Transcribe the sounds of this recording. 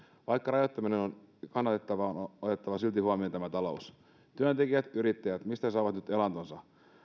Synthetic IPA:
ʋɑjkːɑrɑjot̪ːɑminenon | kɑnːɑt̪et̪ːɑʋɑonot̪e̞t̪ːɑʋɑsylt̪ihuɑmiont̪æmæt̪ɑlo̞us | t̪yønt̪ekiʋæt̪yɾit̪ːæjæt̪mist̪æs̬ɑːʋɑt̪nyt̪elɑnt̪onsɑ

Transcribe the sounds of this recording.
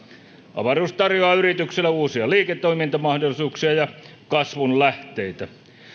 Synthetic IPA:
ʔɑ̰ʋɑruːst̪ɑrjoɑyrit̪ykselːæuːsiɑliːket̪ːˑoimint̪ɑmɑhdolːˑisuːksiɑjɑ | kɑsʋunlæht̪eit̪æ

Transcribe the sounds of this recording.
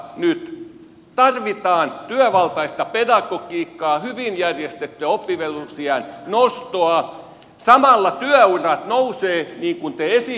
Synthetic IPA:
nyt̪ | t̪ɑrʋit̪ɑːnt̪yæˑʋɑlt̪ɑist̪ɑpedɑkokiːkːɑːhyʋinjærjest̪et̪ːøæopːiʋelusiɑnnost̪oɑ | sɑmɑlːɑt̪yæurɑt̪nouseːniːŋkunt̪eesi

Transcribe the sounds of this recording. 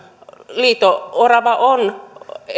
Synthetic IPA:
liːt̪oorɑʋɑʔon

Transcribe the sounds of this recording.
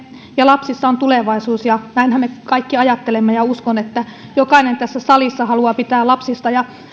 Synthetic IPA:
jɑlɑpsisːɑont̪uleʋɑisuːsjɑnæinhæmmekɑikːiɑjɑt̪ːelemːejɑuskonet̪ːæ | jokɑinent̪æsːæsɑlisːɑhɑluɑpit̪æːlɑpsist̪ɑjɑ

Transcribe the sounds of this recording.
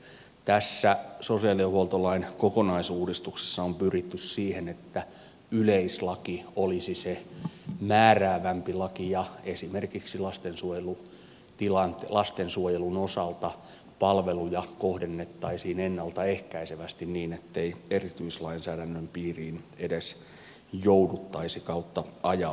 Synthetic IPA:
t̪æsːæsosiɑliɑhuolt̪olɑinkokonɑisuːdist̪ukse̥sːɑompyrit̪ːyssiːhenet̪ːæ | yleislɑkiolisise | mæːræːʋæmpilɑkijɑesimerkiksilɑst̪ensuojelu | t̪ilɑnt̪lɑst̪ensuojelunosɑlt̪ɑ | pɑlʋelujɑkohdenːet̪ːɑisiːnenːɑlt̪ɑehkæiseʋæst̪inniːnet̪ːeierit̪yislɑinsæːdænːømpiːriːnedes | joudut̪ːɑisikɑut̪ːɑɑjɑ

